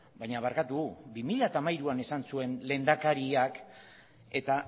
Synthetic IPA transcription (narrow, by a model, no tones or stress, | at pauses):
bajɲaβaɾkat̪uɣubimiʎat̪amajɾuane̞sansue̞nle̞nd̪akaɾiak | e̞t̪a